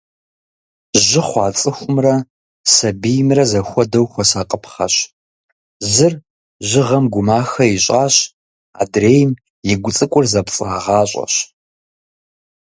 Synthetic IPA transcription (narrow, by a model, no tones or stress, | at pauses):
ʒɪχʷɑːt͡sʼɨxʷʊmrɐ | sɐbijmrɐzɐxʷɔdɐwxʷɔsaːqʼəpʰχɐ̰ɕ | zɨr | ʒɪʁɐmɡʷʊmaːxɐjɪɕʼaːɕ | a̰ːdreːjm | jɪɡʷʊt͡sʼɨkʷʼʊrzɐpt͡sʼaːʁɑːɕʷʼɐ̰ɕ